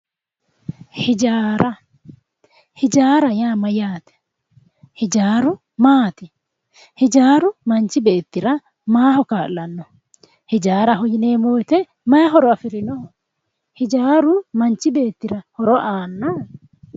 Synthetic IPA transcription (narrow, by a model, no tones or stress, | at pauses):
hɪd͡ʒaːɾɐ | hɪd͡ʒaːɾɐjaːmɐjaːt̪ɛ̥ | hɪd͡ʒaːɾʊ | maːt̪ɪ | hɪd͡ʒaːɾʊmɐnt͡ʃɪbeːt̪ːɪɾɐ | maːɦɔkaːllɐnːɔ | hɪd͡ʒaːɾɐɦɔjɪneːmoːt̪ɛ | mɐɦɔɾɔɐfɪɾɪnɔ | hɪd͡ʒaːɾʊmɐnt͡ʃɪbe̞ːt̪ːɪɾɐhɔɾɔʔaːnːa